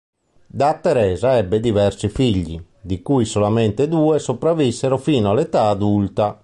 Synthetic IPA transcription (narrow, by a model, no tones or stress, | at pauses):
d̪at̪ːɛɾɛːzaɛbːed̪ivɛɾsifiʎːḭ | d̪ikujsolamɛnt̪ed̪uːesopɾavːisːeɾofiːnoalɛt̪aːd̪ult̪a